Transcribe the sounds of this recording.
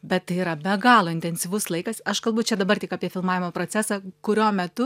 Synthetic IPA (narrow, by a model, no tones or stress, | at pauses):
bʲɛt̪tːɐɪiɾɐbʲɛɡɑːlˠoːɪnʲt̪ʲɛnʲsʲiʋʊslˠɐɪkɐsɐʃkɐlˠbʊjt͡ʃʲɛd̪ɐbɐrtʲɪkɑːpʲiɛfʲɪlˠmɑːʋʲɪmoːpɾoːt͡s̪ʲæsɑːkʊɾʲoːmʲɛt̪ʊ